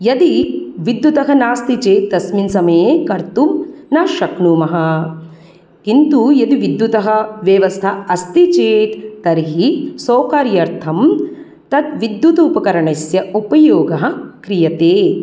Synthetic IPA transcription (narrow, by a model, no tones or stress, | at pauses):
jɐd̪iʋid̪jut̪ɐɦɐnaːst̪it͡ʃeːt̪̚t̪ɐsminsɐmɐjekɐɾt̪umnaːʃɐknuːmɐɦɐ̆ | kint̪ujɐd̪iʋid̪jut̪ɐɦɐʋjɐʋɐst̪ʰɐɐst̪it͡ʃeːt̪t̪ɐɾiɦisoːkaːɾjɐɾt̪ʰɐm | t̪ɐt̪ʋid̪jut̪upɐkɐɾɐɳɐsjɐupɐjoːɡɐɦɐ̆kɾijɐt̪eː